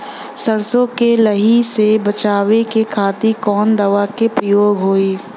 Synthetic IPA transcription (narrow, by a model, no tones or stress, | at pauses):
səɾsõkeləɦisebət͡ʃaːʋekekʰaːt̪ikɔːnd̪ɐʋakepɾəjoːɡɦoːiː